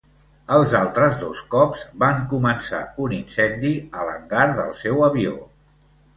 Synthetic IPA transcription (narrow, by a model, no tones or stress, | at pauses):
əlˠzalˠt̪ɾəzðoskɔbz̥baŋkumənsa̰uninsɛnd̪iələ̰ŋɡaɾðəlˠsɛwəβio̰